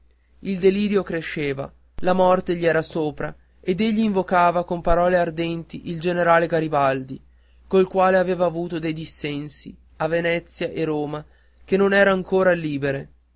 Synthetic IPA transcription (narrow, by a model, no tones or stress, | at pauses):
ild̪eliːɾjokɾeʃːeːva̰ | lamɔrt̪eʎiɛːɾasoːpɾa̰ | ed̪eʎːiːɱvokaːvakompaɾɔːleard̪ɛnt̪iʔild͡ʒeneɾaːleɡaɾibald̪i | kolkwaːleaveːvaːvuːt̪od̪ejd̪isːɛnsi | avenɛt̪sːjaʔeɾoːma | kenːonɛːɾaːŋkoːɾaliːbeɾe